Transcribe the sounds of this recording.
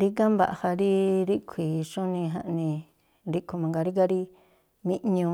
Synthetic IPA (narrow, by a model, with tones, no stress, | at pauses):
ɾi˦ɡa˦mba̰˨ʔha˧ɾi˦ɾi˦kʷʰi˨ʃũ˦nĩ˧ɦã̰˧ʔnĩ˧ | ɾi˦kʰu˧mã˨ŋɡa˧ɾi˦ɡa˦ɾi˦ | mĩ˦ʔɲũ˧